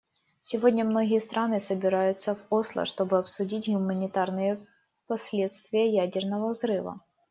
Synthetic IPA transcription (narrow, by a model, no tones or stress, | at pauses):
sʲɪvodʲnʲəmnoɣʲɪjəst̪ɾʔanɨsəbʲɪɾajʊt̪səvoslˠə̰ʂt̪o̞bɨɐpsʊdʲitʲɣʊmənʲɪt̪arnɨjə | pɐsʲlʲet̪st̪vʲɪjəjædʲɪrnəvəvzɾɨvɐ̰